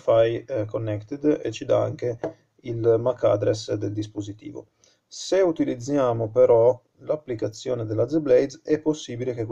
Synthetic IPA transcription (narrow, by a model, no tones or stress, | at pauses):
fajkonːɛkt̪ed̪ḛt͡ʃid̪aa̰ŋke | ilmakːad̪ɾesd̪eld̪ispozit̪ḭːvo̰ | seut̪ilid̪zːjaːmopeɾɔ | lapːlikat̪sːjoːned̪elːazeblɛjd̪ɛpːosːiːbilek̟ek